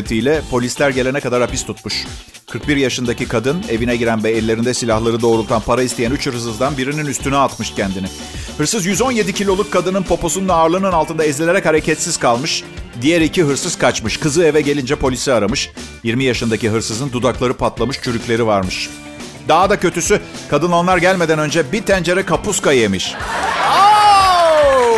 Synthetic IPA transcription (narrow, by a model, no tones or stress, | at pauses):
t̪ʰijlʲɛpʰo̞lʲislʲæɾɟe̞lʲe̞nɛkad̪aɾapist̪ʰut̪̚muʃ | kʰɯɾk̚biɾjaʃɯnd̪acikʰad̪ɯne̞vinɛɟiɾænvɛːlʲːe̞ɾind̪ɛsilʲahlˠaɾɯd̪o̞ːɾulˠt̪ʰanpʰaɾaist̪ejænyt͡ʃʰɯɾhɯsɯzd̪anbiɾininyst̪ʰynɛat̪mɯʃcʰɛnd̪inɪ | hɯɾsɯzjyzo̞nje̞d̪icʰilʲo̞lˠukʰːad̪ɯnɯnpʰo̞po̞sunnaːɾlˠɯnɯnalˠt̪ɯnd̪aizlʲelʲe̞ɾɛchaɾecʰɛt̪siz̥kʰalˠmɯʃd̪ijɛɾiciɦɯɾsɯz̥kʰat͡ʃmɯʃkɯzɯe̞vɛɟe̞lʲind͡ʒɛpʰo̞lʲisiaɾamɯʃ | jiɾmijaʃɯnd̪aciɦɯɾsɯzɯnd̪ud̪aklˠaɾɯpʰat̪lˠamɯʃt͡ʃʰyɾycʲlʲe̞ɾivaɾmɯʃ | d̪aɦad̪acʰø̞t̪ysykʰad̪ɯnonlˠaɾɟælʲme̞d̪ænø̞nd͡ʒɛbit̪ʰænd͡ʒe̞ɾɛkʰapuskajemiʃ